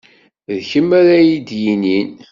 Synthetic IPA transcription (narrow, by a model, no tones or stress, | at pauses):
ðçəmːæɾæjid̪jinin